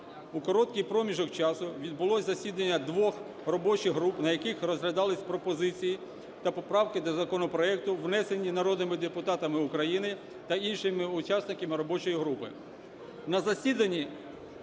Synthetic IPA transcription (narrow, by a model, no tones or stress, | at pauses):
ukɔɾɔt̪kʲijpɾɔmʲiʒɔkt͡ʃɑsʊʋʲid̪̚bʊlˠɔsʲzɐsʲid̪ɐnʲːɐd̪ʋɔx | rɔbɔt͡ʃɪɦɾupnɐjɐkɪxrɔzɦlʲɐd̪ɑlˠɪsʲpɾɔpɔzɪt͡sʲiji | t̪ɐpɔpɾɑwkɪd̪ɔzɐkɔnɔpɾɔɛk̚t̪ʊʋnɛse̞nʲːinɐɾɔd̪nɪmɪd̪epʊt̪ɑt̪ɐmɪʊkɾɐjinɪ | t̪ɐinʃɪmɪʊt͡ʃɑsnɪkɐmɪɾɔbɔt͡ʃɔjiɦɾupɪ̰ | nɐzɐsʲid̪ɐnʲːi